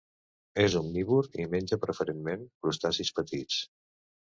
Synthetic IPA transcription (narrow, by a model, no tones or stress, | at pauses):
ezumniβuɾimenʲd͡ʒəpɾəfəɾenmenkɾust̪asispət̪it͡s